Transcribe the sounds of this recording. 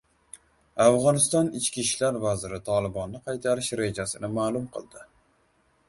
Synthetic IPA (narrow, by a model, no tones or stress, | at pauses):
avʁɒnɪst̪ɒnɪt͡ʃkʲiʃlaɾvazɪɾɪt̪ʰɒlˠɪbɒnːɪqʰɑjt̪ʰaɾɪʃɾe̞d͡ʒasɪnɪmaːlˠʊmqʰɨ̰lˠd̪ɪ